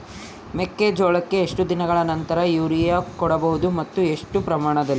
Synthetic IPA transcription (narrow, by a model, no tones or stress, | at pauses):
mekːeːd͡ʒoːɭɐkːe̞ːʂʈud̪inɐɡɐɭɐnɐnt̪ɐɾɐjuːɾijaːkɔɽɐbɐɦud̪umɐt̪ːue̞ʂʈupɾɐmaːɳɐd̪ɐlːi